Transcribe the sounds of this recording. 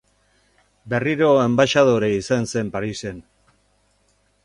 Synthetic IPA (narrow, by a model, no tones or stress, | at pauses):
be̞riɾo̞embaʃaðoɾeisanse̞mpaɾise̞n